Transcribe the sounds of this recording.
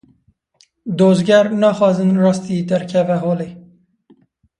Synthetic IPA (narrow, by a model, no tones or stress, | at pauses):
d̪oːzɡɛɾnɑːxɑːzɨnrɑːst̪iːd̪ɛɾkʰɛvɛɦoːleː